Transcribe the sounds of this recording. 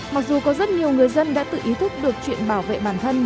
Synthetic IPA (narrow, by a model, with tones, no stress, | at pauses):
ma˨˩k̚zu˨˩kɔ˨˦zə˦˥t̚ɲi˨˩əwŋɨ˨˩əjzə˧nɗa̰ː˧˥t̪ɨ̰˧˨ʔi˨˦t̪ʰʊ˦˥k͡p̚ɗɨ˨˩ək̚t͡ɕwḭ˧˨ənɓaː˧˩wvḛ˧˨ɓaː˧˩nt̪ʰə˧n